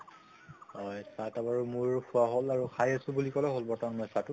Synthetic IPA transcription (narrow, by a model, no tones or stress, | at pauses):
hɔjsatabaɹumuɹpʰʊaɦolaɹukʰajasʊbulikɔlɛɦolbɔɹtanmɔjsatʊ